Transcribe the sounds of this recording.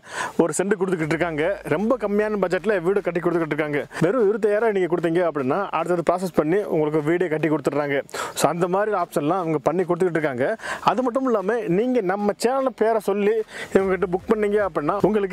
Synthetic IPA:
ɔɾɯsɛɳɖɯk̬ɔɽɯt̪ːɯkːɪʈ̬ːɾɯkːaːŋɡɐɾɛmbɐkɐmːɪjaːnɐbɐd͡ʒɛʈːɪlɐʋiːɽɯkɐʈ̬ːɪk̬ːɔɽɯt̪ːɯkːɪʈːɾɯkːaːŋɡɐʋɛɾɯ̃ɪɾɯt̪̬ːɐjaːɾɐniːŋɡɐkɔɽɯt̪̬ːiːŋɡɐɐpːɐɽɪnːaːʔɐ̰ɽɯt̪ːɐðɯpɾaːs̬ɐspɐɳːiʊ̰ŋɡɐɭɯkːɯʋiːɽekɐʈːikːɔɽɯt̪ːɯkɾaːŋɡɐsoːɐnd̪ɐmaːd̪ɾiaːfɪ̥sɐnlãːɐʋɐŋɡɐpɐɳːik̬ɔɽɯt̪ːɯkːɪʈ̬ːɾɯk̬ːaːŋɡɐɐðɯmɐʈːɯmɪlːaːmeniːŋɡɐnɐmːɐt͡ʃeːnɐlɐpeːɾɐsɔlːiɛʋŋɡɐkːɪʈ̬ːɐbʊkpɐɳːiːŋɡeɐpːɐɽɪnːaːʊŋɡɐɭɯkː

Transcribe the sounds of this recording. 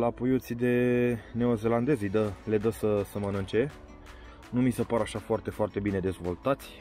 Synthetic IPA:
lapujut̪sid̪e̞ne̞oze̞land̪e̞zejd̪əle̞d̪əsəsəmənɨnt͡ʃe̞ | numisəpaɾaʃafoart̪e̞foart̪e̞bine̞d̪e̞zvo̞lt̪at̪sʲ

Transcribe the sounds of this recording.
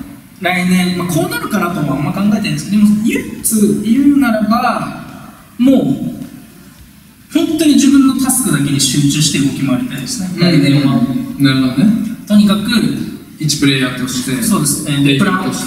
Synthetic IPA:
ɾainẽ̞ŋmakʰo̞ːnaɾɯ̟kanat̪o̞moamːakãŋɡae̞t̪aĩnesd̪emojɯt͡sɨiɯ̟ːnaɾaba | mo̞ː | ɸõnt̪o̞ɲ̟iʑibɯ̟̃nːok̪asɨ̥kɯ̟d̪ak̬e̞ɲ̟iɕɨːt͡ɕɨːɕi̥t̪eɯ̟ɡo̞kʲimo̞aɾʲit̪aid̪esɨ̥neaneonaɾɯ̟hod̪onet̪o̞ɲ̟ikakɯ̟ | it͡ɕi̥pɯ̟ɾe̞ːjaːt̪o̞ɕi̥t̪e̞so̞ːd̪e̞sɨ̥ned̪epɯɾao

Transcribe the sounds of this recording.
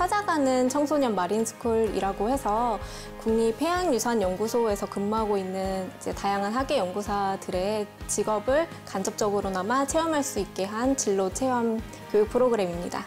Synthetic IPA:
sʰad͡ʑaɡanɯnt͡ɕʰʌŋsʰoɲʌmːaɾinsʰɯ̥kʰuɭḭɾaɡohe̞sʰʌ | kuŋɲipʰe̞anjusʰaɲjʌŋɡusʰoe̞sʰʌkɯmːuɦaɡoinːɯnid͡ʑe̞tajaŋɦanɦaɡe̞jʌŋɡusʰadɯɾe̞t͡ɕiɡʌbɯɭ | kand͡ʑʌp̚t͡ɕ͈ʌɡɯɾonamat͡ɕʰe̞ʌmɦaɭs͈uik̚k͈e̞ɦant͡ɕiɭːot͡ɕʰe̞ʌm | kjojuk̚pʰɯɾoɡɯɾe̞mimɲida̰

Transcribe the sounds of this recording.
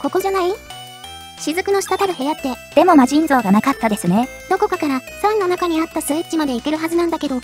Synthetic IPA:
ko̞ko̞ʑanai | ɕizɨkɯ̟no̞ɕi̥t̪at̪ad̪aɦo̞jat̪ːe̞d̪̥e̞mo̞maʑĩnzo̞ːɡanakat̪ːad̪e̞sɨne̞ | d̪o̞ko̞kakaɾasãnːonakaɲ̟iat̪ːasɨitːimad̪e̞ike̞ɾɯ̟ɦazɨnãnd̪ake̞d̪o̞

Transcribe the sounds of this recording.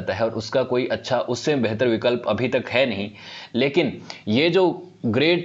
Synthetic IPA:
t̪aɦɛɔːɾʔʊskakoːiʔɐtːʃʰaʔʊsːebɛɦt̪əɾʋɪkəlpɐbʱit̪ɐkɦɛnɐɦĩleːkɪnjed͡ʒoː | ɡɾeːʈ

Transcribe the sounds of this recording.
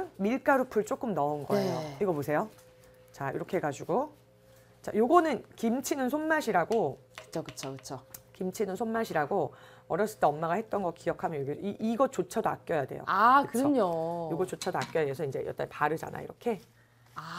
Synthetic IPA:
miɭk͈aɾupʰɯɭt͡ɕ͈ok͈ɯmnʌnɡʌejoiɡʌmosʰe̞jo | t͡ɕaḭɾʌkʰeɡad͡ʑuɡo | t͡ɕa̰joɡʌnɯnkimt͡ɕʰinɯnsʰonmaɕʰiɾaɡokɯ̥t͡ɕʰokɯt͡ɕʰokɯt͡ɕʰokimt͡ɕʰinɯnsʰonmːaɕʰiɾaɡo | ʌɾjʌs͈ɯɭt͈eʌmːaɡahe̞t̚t͈ʌnɡʌk̚k͈ijʌkʰamjʌnjoɡeiiɡʌt͡ɕot͡ɕʰadoa̰k̚k͈jʌjade̞̰jo̰aɯkɯɾɯɲojoɡʌt͡ɕ͈ot͡ɕʰadoak͈jʌjadeosʰʌind͡ʑe̞jʌ̰t͈a̰npaɾɯd͡ʑa̰na̰ḭɾʌkʰe̞ | a

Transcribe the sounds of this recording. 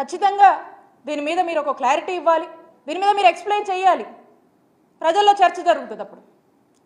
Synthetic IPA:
kɐt͡ʃːit̪ɐŋɡaː | d̪iːnimiːd̪ɐmiːɾɔkɐklaːɾiʈiːiʋːaːli | d̪iːnimiːd̪ɐmiːɾeksplejnt͡ʃɛːjaːli | pɾɐd͡ʒɐlːo̞ːt͡ʃɐɾt͡ʃɐd͡ʒɐɾuɡut̪und̪ɐpːuɽu

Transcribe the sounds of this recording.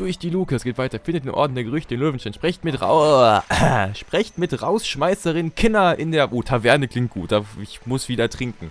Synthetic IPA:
d̥ʊɐçd̥iːluːkəasɡ̥eːtv̥aɪtɐfɪndətɪnʔɔ̰ɐdn̩deːɐɡəʁʏçtədɪːnløːvn̩ʃtaɪnʃpʁ̥ɪçtmɪtʁa̰ | ʃpʁ̥ɛçtmɪtʁaʊsʃmaɪsəʁɪnkʰɪnɐʔɪndeːɐʔoːtʰavɛɐnəkl̥ɪŋt̚ɡ̥uːt̚d̥aːɪçmʊsv̥iːdɐtʁ̥ɪŋkŋ̩

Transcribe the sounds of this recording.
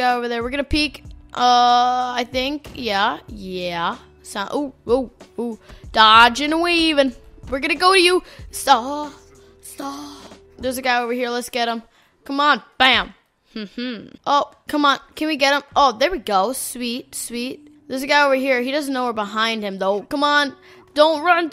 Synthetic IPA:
ɡaɪoʊvə˞ðə˞wɨɹɡʌnɨpʰikʔʌaɪθɪ̃ŋkjæjæ | sãʔooud̥ɑd͡ʒɨ̃nweɪivɨ̃nwɨɹɡʌnɨɡoʊɾɨjustɑ | stɑ | ðə˞zɨɡaɪoʊvə˞hiɹlətsɡ̥ɛɾə̃m | kʰʌ̃mə̃nb̥æ̃m | mm̩m̥m̩ʔoʊkʰʌ̃mə̃nkʰɨ̃nwiɡɛɾə̃mʔoʊðə˞wiɡoʊswit̚swit̚ðə˞zɨɡaɪoʊvə˞ɦiɹhiɾʌznoʊwə˞bəɦãɪ̃nd̚ɨ̃mðoʊkʰʌ̃mə̃n | d̥õʊ̃nt̚ɹʌ̃n

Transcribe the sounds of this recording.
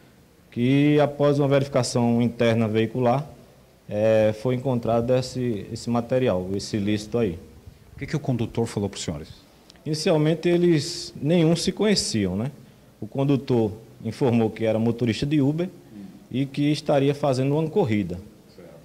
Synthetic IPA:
kɪapɔzũmɐveɾifi̥kasɐ̃w̃ĩt̪ɛɾnɐveikulaɾ | ɛfojẽŋkõnt̪ɾad̪ʊesɪesɪmat̪eɾiawesɪlisɪ̥t̪ʊaiukɛkɪʊkõnd̪ut̪oɾfalowpɾʊ̥sĩo̰ɾɪs | inisiawmẽnt̪ɪelɪznẽj̃ũsɪkõɲesiɐ̃w̃nɛ | ʊkõd̪ut̪oɾĩfoɾmowkɪɛɾɐũmot̪oɾiʃt̪ɐd̪ɪubeikɪːst̪aɾiɐfazẽnd̪ʊũmɐkoɦid̪ɐ | ɛ

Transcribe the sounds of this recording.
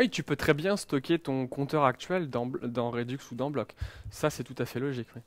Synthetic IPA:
wit̪ypøt̪χɛbjɛ̃st̪ɔkʲet̪ɔ̃kɔ̃t̪œʁak̚t̪ɥɛld̪ɑ̃bd̪ɑ̃ʁed̪yksud̪ɑ̃blɔksasɛt̪ut̪afɛlɔʒikwɛ

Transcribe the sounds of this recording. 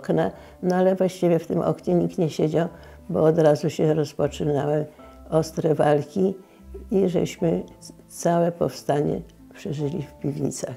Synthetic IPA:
kna | nɔalɛvwaɕt͡ɕivʲjɛft̪ɘmʔɔ̰kɲɛɲikt̪ɲɛɕed͡ʑaw | bɔ̰ːd̪ɾazuɕɛɾɔspɔt͡ʂɘnawɛɔst̪ɾɛvalkʲi | iʐɛ̰ɕmɘt̪sawɛpɔfst̪aɲɛ̰ | pʂɛʐɘlʲifpʲivʲɲḭt̪sax

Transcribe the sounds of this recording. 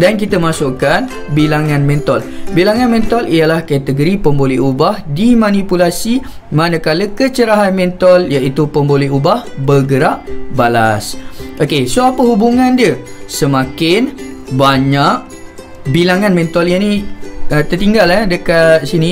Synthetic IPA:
dank̬it̪əmasuʔkan | bilaŋãnmɛ̃nt̪ɔlbilaŋãnmɛ̃nt̪ɔliəlahkat̪əɡoɾipəmbolɛɦubahdimanipulasi | manəkaləkət͡ʃəɾaɦanmɛ̃nt̪ɔljaʔit̪upəmbolɛɦubahbərɡəɾaʔbala̰sʔokesoapəɦubuŋandiəsəmakɪnbaɲaʔ̚ | bilaŋãnmɛ̃nt̪ɔljaniət̪ərt̪iŋɡalɛdəkat̪̚sinĩ

